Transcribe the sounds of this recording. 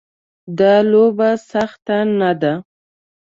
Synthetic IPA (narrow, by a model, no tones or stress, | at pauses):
d̪ɑlobasaxt̪anad̪a